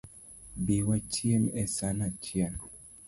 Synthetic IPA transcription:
biwat͡ʃianʔɛsanat͡ʃian

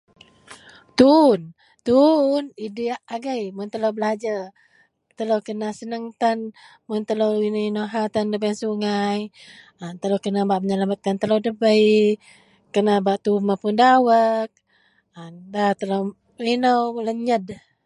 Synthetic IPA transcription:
t̪un | t̪unidiaʔaɡəjmʊnt̪əlowbəlad͡ʒa | t̪əlowkənasənəŋt̪anmʊnt̪əlowininowɦat̪andəbənsuŋaj | ənt̪əlowkənabaʔməɲəlamat̪̚kant̪əlowdəbəj | kənabaʔt̪umapʊndawək̚ | əndat̪əlow | inəwləɲəd

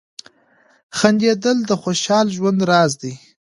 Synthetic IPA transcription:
xand̪ed̪əld̪əxoʃɑlʒwand̪ɾɑzd̪i

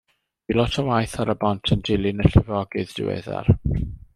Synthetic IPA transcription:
d̥ilɔtʰɔwajθaɾəbɔntʰəndɪlˠɪnəɬɪvɔɡɨðd̥ɪ̰wɛ̰ða̰r

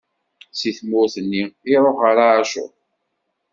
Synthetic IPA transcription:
siθmʊɾθənːiɪɾˤoχaɾaaʃʊ̰

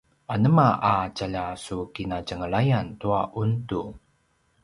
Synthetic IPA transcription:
ʔanəmaʔacaʎasukinacəŋəɭajantuaʔuntu

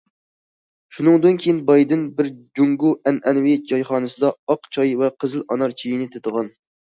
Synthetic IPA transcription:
ʃunɨŋd̪ɨnkʲʰejinbɑjd̪ɪnbɪɾd͡ʒuŋɡuɛnʔɛnwɪd͡ʒɑjχɑːnɨsɨd̪ɑɑqt͡ʃʰɑjvɛqʰəzɨlɑnɑɾt͡ʃʰijinɪt̪ʰet̪əʁɑn

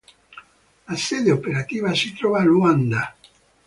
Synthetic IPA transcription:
lased̪eopeɾat̪ivasit̪ɾɔvaluand̪a

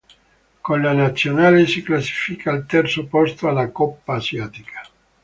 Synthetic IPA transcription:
konlanat̪sːjonaːlesiklasi̥fikʰailt̪ɛrt̪sopɔst̪oalakɔpːaːsjaːt̪ikʰḁ

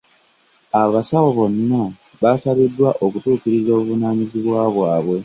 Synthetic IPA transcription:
aβasawo̞βo̞nːa | βasaβidːwaʔo̞kutuːkiɾizo̞ːβuvunaːɲiziβwaːβwaːβwe̞

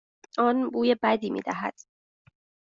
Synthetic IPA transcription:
ɒːnbuːjebæd̪iːmḭːd̪æɦæ̰d̪̥

